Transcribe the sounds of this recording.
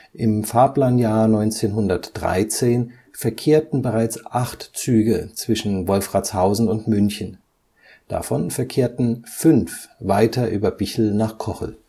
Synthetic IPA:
ʔɪmfaːɐpl̥aːnjaːɐnɔʏnt͡seːnɦʊndɐtd̥ʁa̰ɪt͡seːn | fɛɐkʰeːɐtn̩bəʁaɪt͡sʔaχtt͡syːɡət͡sv̥ɪʃn̩vɔlfʁ̥at͡shaʊzn̩ʊntmʏnçən | d̥a̰fɔnfɛɐkʰeːɐtn̩fʏnfvaɪtʰɐʔyːbɐbɪçl̩naːχkʰɔχl̩

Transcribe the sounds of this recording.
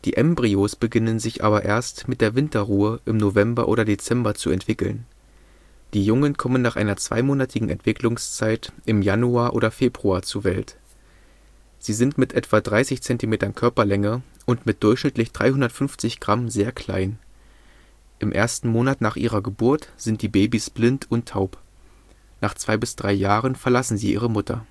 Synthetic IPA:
d̥ḭːʔɛmbʁioːsb̥əɡɪnənzɪçʔa̰ːbɐʔḛːɐstmɪt̚d̥eːɐvɪntɐʁuːəʔɪmnovɛmbɐ̰ʔo̰ːɾɐdet͡sɛmbɐt͡suɛ̰ntv̥ɪkl̩n | d̥iːjʊŋənkʰɔmənːaːχʔa̰ɪnɐt͡sv̥a̰ɪmoːnatʰɪɡŋ̩ʔɛ̰ntv̥ɪklʊŋst͡saɪtʔɪmjanuaːɐʔo̰ːɾɐfeːbʁuaːt͡suɐvɛlt | z̥iːzɪntmɪtʔɛtv̥adʁaɪsɪçt͡sɛntimeːtɐnkʰœɐpɐlɛŋə | ʔʊntmɪt̚d̥ʊɐçʃnɪtlɪçd̥ʁa̰ɪhʊndɐtfʏnft͡sɪçɡ̥ʁamzeːɐkʰl̥a̰ɪn | ʔɪmʔḛːɐstn̩moːnatnaːχʔḭːʁɐɡəbʊɐtz̥ɪntd̥iːbeːbisb̥lɪntʰʊntʰːaʊp | naːχt͡sv̥aɪbɪsd̥ʁaɪjaːʁənfɛɐlasn̩ziːʔiːʁ̞əmʊtɐ̰

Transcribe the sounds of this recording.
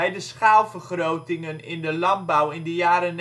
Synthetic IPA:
ɛjdəsχaːlˠvərχrowtɪŋənɪndəlɑnbɔwɪndəjaːɾən

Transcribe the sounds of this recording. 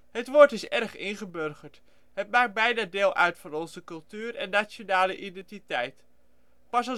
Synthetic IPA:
ɦətʋoːɹtɪsɛrχɪnχəbørχəɹt | ɦət̚maːk̚bɛjnaːdɪːlˠʔœ̰ɥtfɑnɔnzəkɵlˠtyːɾɛ̰nːat͡ʃonaːləʔidɛntitɛjt | pɑsɑ

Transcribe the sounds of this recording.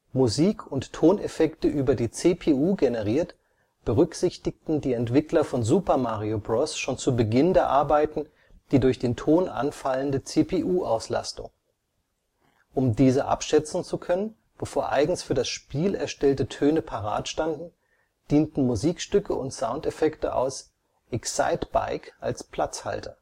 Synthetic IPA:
muziːkʰʊnttʰːoːnefɛktəʔyːbɐdiːt͡seːpʰeuːɡenəʁ̞iːɐt | b̥əʁʏkz̥ɪçtɪk̚tn̩diːɛntv̥ɪklɐfɔnzuːpɐmaːʁiobʁɔsʃoːnt͡subəɡɪndeːɐʔaɐbaɪtn̩ | d̥iːdʊɐçd̥eːntʰoːnʔa̰nfaləndət͡seːpʰeʔuːʔaʊsla̰stʊ̰ŋ | ʔʊmdiːzəʔa̰pʃɛt͡sn̩t͡sukʰœnən | b̥əfoːɐʔa̰ɪɡŋ̩sfyːɐdasʃpiːlɛɐʃtɛltətʰøːnəpʰaʁa̰ːtʃtandn̩ | d̥iːntn̩muziːkʃtʏkʰəʊ̰ntsaʊntefɛktə̰ʔa̰ʊs | ʔɛksa̰ɪtb̥a̰ɪkʔa̰lspʰl̥at͡sha̰ltʰɐ

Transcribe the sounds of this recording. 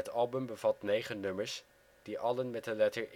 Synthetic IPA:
ətɑlˠbəmbəvɑtnejχənɵməɹs | d̥iʔɑlənmɛt̚dəlɛtəɹ

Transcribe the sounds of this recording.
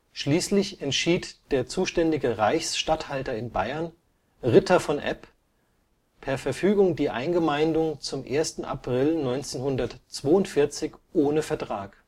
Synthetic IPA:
ʃliːslɪçɛntʃiːtd̥eːɐt͡suːʃtɛndɪɡəʁaɪçsʃtathaltɐɪnbaɪɐn | ʁɪtʰɐfɔnʔɛ̰p | pʰɛɐfɛɐfyːɡʊŋdiːʔa̰ɪnɡəmaɪndʊŋt͡sʊmʔḛːɐstn̩ʔa̰pʁ̥ɪlnɔʏnt͡seːnhʊndɐtt͡sv̥oːʊntfɪɐt͡sɪçʔoːnəfɛɐtʁ̥aːk

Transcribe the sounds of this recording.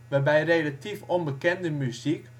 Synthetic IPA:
ʋæbæjɾelɑt̪iːfɔnbəkɛnd̪əmʉsik

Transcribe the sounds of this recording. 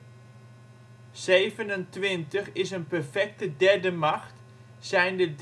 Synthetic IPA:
z̥ejvənəntʋɪntəχɪsənpɛɹfɛk̚tədɛɹdəmɑxt | sɛjndəd

